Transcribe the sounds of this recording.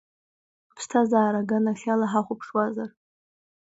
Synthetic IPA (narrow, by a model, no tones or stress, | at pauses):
pʰstʰazaːɾaɡanaχʲalaħaχʷʊpʰʂwazar